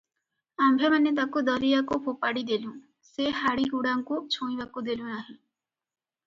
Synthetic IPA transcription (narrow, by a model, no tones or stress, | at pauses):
ambʱemanet̪̬akud̪ɔɾijakubʱupaɽid̪elũ | sehaɽiɡuɽaŋkut͡ʃʰõĩbakud̪elũnaɦĩ